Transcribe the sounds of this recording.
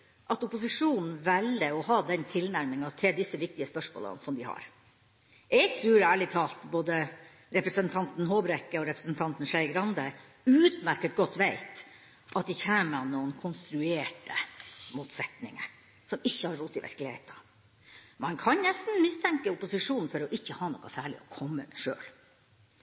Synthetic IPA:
ʔɑt̪ʊpʊsɪʂuːnn̩ʋɛləɔhɑːd̪ɛnt̪ʰɪlnæɾmɪŋɑt̪ʰɪld̪ɪsːəʋɪk̚t̪ɪəspœʂmo̰ːlə̰nsɔmd̪ɪhɑ̰ɾ | ɛɡ̚t̪ʰɾʉːɾæːɭɪt̪ʰɑːlt̪boːd̪ə | ɾɛpɾəsənt̪ʰɑnt̪n̩ɦoːbɾɛkːəɔɾɛpɾəsənt̪ʰɑnt̪n̩ʂæɪɡɾɑnd̪ə | ʉːt̪mæɾkət̪ɡɔt̪ːʋæɪt̪ | ʔɑt̪̚d̪ɪçæːmənuːənkʰʊnst̪ɾʉeːʈəmuːt̪sɛt̪nɪ̰ŋə̰ | sɔmɪçːəhɑɾːuːt̪ɪʋæ̰ɾklɪhḛɪt̪ɑ | mɑŋkʰɑnnɛst̪n̩mɪst̪ʰɛŋkəʊpʊsɪʂuːnn̩fɔɾɔʔɪçːəhɑːnɔkːɑsæːɭɪ̰ɔkʰɔmːə̰ʂø̰ːl

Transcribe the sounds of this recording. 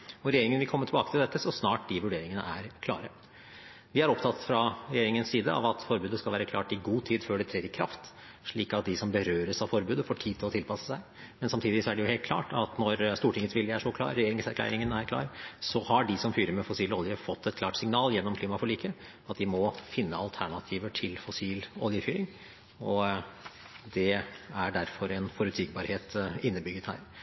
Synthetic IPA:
ɔɾɛjeːɾɪŋənʋɪlkʰɔmːəʈʰɪlbɑːkət̪ʰɪld̪ɛt̪ːəsɔsnɑːʈ̚d̪ɪʋʉɖeːɾɪŋənə̰ʔæɾkʰlɑ̰ːɾə | ʋɪæɾɔpt̪ʰɑt̪ːfɾɑɾɛjeːɾɪŋənsiːd̪əɑ̰ʋɑt̪fɔɾbʉːd̪əskɑlʋæːɾəkʰlɑ̰ːʈɪɡuːt̪ʰiːd̪føːɖɛt̪ʰɾeːɾɪkʰɾɑ̰ft̪ | ʂɭiːkɑt̪̚d̪ɪsɔmbəɾøːɾəsɑʋfɔɾbʉːd̪əfoːʈʰiːt̪ʰɪlɔt̪ɪlpʰɑsə̥sæɪ | mɛnsɑmt̪iːd̪ɪɪsɔæɖɛjʊheːlt̪̚kʰlɑ̰ːʈɑt̪nɔɾst̪uːʈɪŋət̪ʋɪljæʂɔklɑ̰ːɾːɛjeːɾɪŋsæɾklæ̰ːɾɪŋənæɾkʰlɑ̰ːɾsɔhɑɖɪsɔmfyːɾəɾmɛfɔsiːlɔljəfɔt̪ʰːɛt̪klɑːʈsɪŋnɑːljɛnːɔmkʰliːmɑfɔɭiːkʰə | ɑt̪d̪ɪmɔfɪnːəɑlt̪ʰæɳɑt̪ʰiːʋəʈʰɪlfɔsiːlɔ̰ljəfyːɾɪŋ | ɔ | d̪ɛæɖæɾfɔɾɛnfɔɾʉt̪ʰyːɡ̚bɑːɾheːt̪ɪnːəbʏɡːət̪hæ̰ːɾ

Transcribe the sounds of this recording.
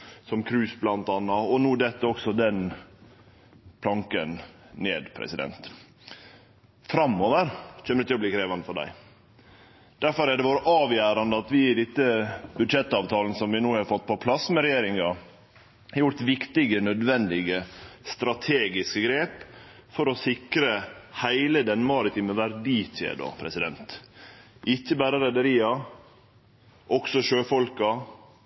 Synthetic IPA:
sɔmkʰɾʉːsblɑnt̪ɑːnːɑɔnuːd̪ɛt̪ːəɔksɔd̪ɛn | pʰlɑŋkənnḛːd̪pʰɾɛ̰sɪd̪ɛ̰nt̪ | fɾɑmːoːʋəɾc͡çʰɛmːəd̪ɛt̪ɪlɔb̪liːkʰɾeːʋɑnəfɔɖæ̰ɪ | d̪̥æɾfɔɾæɖɛʋoːɾəʔɑːʋjæːɾɑnd̪əɑt̪ʋɪːd̪ɪt̪ːəbʉd̪ʂɛt̪ːɑːʋt̪ʰɑːlnəsɔmʋɪnuːhɑɾfɔt̪ːpʰɔpʰlɑsːmɛɾɛjeːɾɪŋɑ | hjʊɾt̪ʋɪkt̪ɪɡənœd̪ʋɛnd̪ɪɡəst̪ɾɑt̪ʰeːɡɪskəɡɾeːp | fɔɾɔsɪkɾəhæɪləd̪ɛnmɑɾɪt̪ʰiːməʋæɾɖ̪iːt̪ḛːd̪o̰pʰɾɛsɪd̪ɛnt̪ | ʔɪçːəbæːɾəɾɛd̪əɾiːɑ | ʔɔksɔʃøːfɔlkɑ

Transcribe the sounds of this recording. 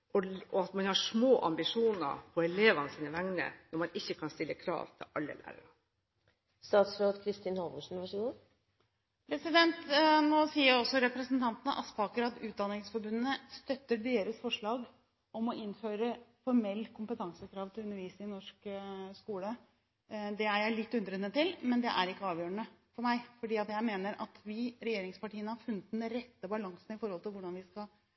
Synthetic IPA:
ɔɔɑt̪mɑnhɑʂmoːʔɑ̰mbɪʂuːnə̰ɾpʰɔɛleːʋɑnəsiːnəʋæŋnə̰nɔɾmɑnɪçːəkʰɑnst̪ɪlːəkʰɾɑ̰ːʋt̪ʰɪ̰lʔɑlːə̰læ̰ːɾə̰ɾə | st̪ɑːt̪sɾoːd̪kʰɾɪst̪iːnhɔlmʊʂn̩ʋɑʂəɡoː | pʰɾɛsɪd̪ɛnt̪noːsiːəɾɔsːɔɾɛpɾɛsənt̪ʰɑnt̪ənəʔɑsfɑːkəɾɑt̪ʉːt̪̚d̪ɑnɪŋsfɔɾbʉnnəst̪œt̪ːəɖ̪eːɾəsfɔʂɭɑːɡ | ɔmɔʔɪnføːɾəfɔɾmɛlːkʰʊmpət̪ʰɑŋsəkʰɾɑːʋt̪ʰɪlʉnːəɾʋiːsɪnɔʂkskuːlə | d̪ɛæɾjæɪlɪt̪ːʉnd̪ɾənːət̪ɪlmɛnd̪ɛʔæ̰ɾɪkːəɑːʋjøːəɳəfɔɾmæɪfɔɖiːɑt̪jæɪmeːnəɾʔɑ̰t̪ʋɪɾɛjeːɾɪŋspɑʈiːənəhɑɾfʉnːət̪n̩d̪ɛɾɛt̪ːəbɑlɑŋsn̩ɪfɔɾhɔlt̪ʰɪlʋʊɖɑnʋɪskɑ

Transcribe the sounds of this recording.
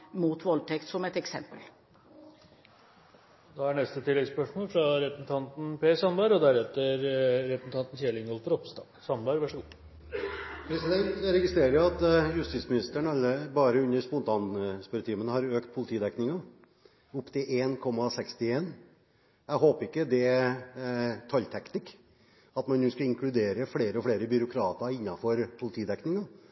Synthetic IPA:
muːt̪ʋɔlt̪ʰɛkt̪sɔmɛt̪ɛksɛ̰mpə̰l | d̪ɑæɳɛst̪ət̪ʰɪlːɛɡspœʂmoːlfɾɑɾɛpɾəsn̩t̪ʰɑnt̪n̩peːsɑnbɑɾɔd̪æɾɛt̪ːəɾɾɛpɾəsn̩t̪ʰɑnt̪n̩çeːlɪŋɔlfɔɾɔpst̪ɑːsɑnbɑɾʋæʂəɡuː | pʰɾɛsɪd̪ɛnt̪ɾɛɡɪst̪ɾeːɾəjʊɑt̪jʉst̪iːsmɪnɪst̪əɳɑlːəbɑːɾəʉnːəɾspʊnt̪ʰɑːnspœɾt̪ʰiːmənəhɑɾøːkt̪̚pʰʊlɪt̪ʰiːd̪ɛknɪŋɑ | ʊpːt̪ʰɪleːnkʰɔmːɑsɛkst̪ɪeːn | ɛɡɦoːpəɾɪkːəd̪ɛ | t̪ʰɑlt̪ʰɛkt̪ɪk | ɑt̪mɑnjuːskɑɪŋkʰlʉd̪eːɾəfɽeːɾəɔfɽeːɾəbʏɾʊkʰɾɑːt̪ɑɪnːɑfɔɾpʰʊlɪt̪ʰiːd̪ɛknɪŋɑ

